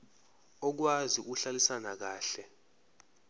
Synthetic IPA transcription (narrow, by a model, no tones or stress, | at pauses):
ɔk̬wazik̬uɬalisanak̬aːɬɛ